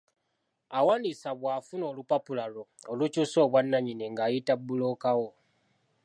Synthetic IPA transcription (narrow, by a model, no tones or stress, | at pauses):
awaːnisaβwaːfuno̞ːlupapulalo | olucuːso̞ːβwanːaɲineŋɡaːjitabːuloːkawo